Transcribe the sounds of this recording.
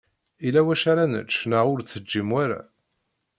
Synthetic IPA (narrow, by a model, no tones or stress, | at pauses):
ilæwæʃaɾanə̰t͡ʃːnəʁʊɾθəd͡ʒːimwaɾæ̰